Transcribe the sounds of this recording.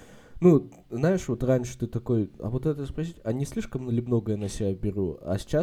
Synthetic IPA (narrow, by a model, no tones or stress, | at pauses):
nu | znajɪʂvo̞t̪ranʲʂɨ̥t̪ɨt̪ɐko̞jɐ̰vot̪ɛt̪əspɾɐs̬ʲitʲɐnʲisʲlʲiʂkəmnəlʲɪbno̞ɡəjənəsʲɪbʲabʲɪɾuɐ̰sʲt͡ɕa